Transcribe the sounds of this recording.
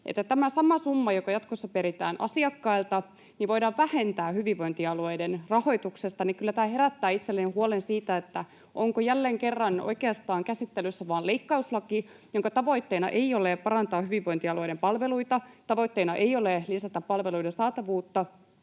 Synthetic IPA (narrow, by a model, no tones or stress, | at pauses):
ʔet̪ːæt̪æmæsɑmɑsumːɑjokɑjɑt̪kosːɑpeɾit̪æ̰ːnʔɑ̰siɑkːɑilt̪ɑ | niʋʋo̞idɑːʋʋæhe̞nt̪æːhyʋiʋːo̞jnt̪iɑluojdenrɑho̞jt̪ukse̞st̪ɑnikylːæt̪æːhe̞ɾæt̪ːæːit̪selːenihuolensiːt̪æet̪ːæ | ʔoŋkojælːeŋke̞rːɑno̰jkeɑst̪ɑːŋkæsit̪ːelysːæʋɑːleikːɑuslɑki | joŋkɑt̪ɑʋo̞it̪ːeinɑ̰ʔe̞iolepɑɾɑnt̪ɑːhyʋiʋːojnt̪iɑluojdempɑlʋe̞luit̪ɑt̪ɑʋo̞it̪ːeinɑʔejolelisæt̪ːæppɑlʋe̞lujdensɑːt̪ɑʋuːt̪ːɑ